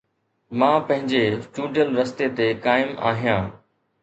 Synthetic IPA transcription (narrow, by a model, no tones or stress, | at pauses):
mãːpɐ̃ɦɪ̃ɲd͡ʑesʈuːɖijəlɾɐst̪et̪ekaːɪma̰ːɦijãː